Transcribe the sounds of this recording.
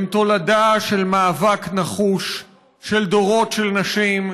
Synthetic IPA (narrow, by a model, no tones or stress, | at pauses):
mt̪o̞ladaʃe̞lmaːvaknaχuʃː | eld̪o̞ʁo̞tʃelnaʃim